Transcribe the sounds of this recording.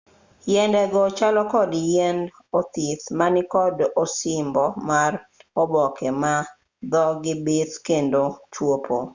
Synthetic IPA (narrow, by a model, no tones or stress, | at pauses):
jɛndɛɡɔt͡ʃalɔkɔdjɛn | ot̪it̪manɪkɔdosɪmbɔmarobɔkɛma | d̪ɔɡɪbet̪kendot͡ʃwopʰo